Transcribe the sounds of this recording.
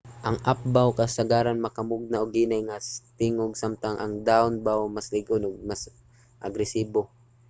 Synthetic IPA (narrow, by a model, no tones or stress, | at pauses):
ʔɐŋʔap̚bawkɐsɐɡaːɾanmɐkɐmʊɡ̚naoɡiːnajŋast̪ɪŋoɡsamt̪aŋʔɐŋd̪aʊnbawmaslɪɡonoɡ̚mas | ʔɐɡɾɛsiːbo